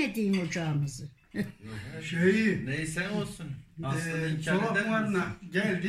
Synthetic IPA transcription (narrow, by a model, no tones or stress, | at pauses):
et̪iːnot͡ʃɑːmɯz | ʃejnejsænolˠsun | oaɾnaɟælʲd̪i